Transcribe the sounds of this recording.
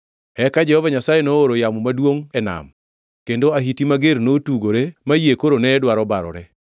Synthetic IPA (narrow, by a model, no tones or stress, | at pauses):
ɛkad͡ʒɛhɔvaɲasajenooɾojamɔmadwoŋɛna̰m | kendoaɦitimaɡeɾnotuɡoɾemajekoɾonɛːdwaɾɔbaɾɔ̰ɾɛ